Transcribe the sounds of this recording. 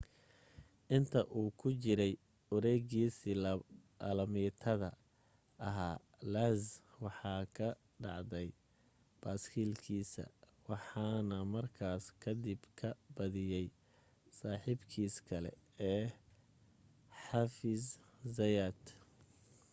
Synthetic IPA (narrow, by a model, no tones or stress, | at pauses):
ʔɪnt̪ʰɐʔuːkʰʊt͡ʃɪɾɛj | ʊɾɛɣiːsɪl | ɐlɐmit̪ʰɐðɐ | ʔɐɦaː | laːz | wɑħɑːkʰɐ | ɖɑ̰ʕd̪ɛj | b̥aːskʰiːlkʰiːsɐ̰wɑħɑːnɐmɐrkʰaːskʰɐd̪ɪbkʰɐbɐðɪjɛj | saːħiːbkʰiːskʰɐlɛ̰ɛː | ħɑfɪzː | ɐjaːd̪